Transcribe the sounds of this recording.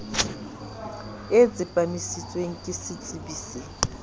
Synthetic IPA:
ɪd͡zɪpʼanisit͡sʼweŋ̩kʼɪsɪt͡sʼibiːse

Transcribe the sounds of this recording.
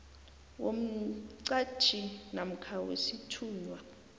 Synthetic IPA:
wom̩ǀḁʒ̥ʰʱʼinam̩kʰawḛsitʰuːnwa

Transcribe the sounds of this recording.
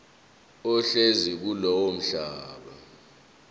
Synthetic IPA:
ɔɬezik̬ulɔwom̩ɬaːɓa̰

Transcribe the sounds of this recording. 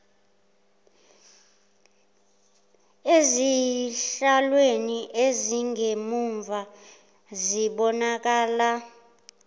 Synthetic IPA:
eziɬalweniʔeziŋemuɱvʱa | ziɓɔnak̬aːla

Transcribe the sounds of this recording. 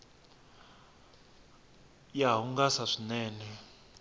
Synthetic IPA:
jaɦuŋɡasaʂinɛːnɛ

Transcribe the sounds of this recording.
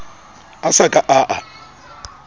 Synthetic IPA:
asakʼaʔaʔa

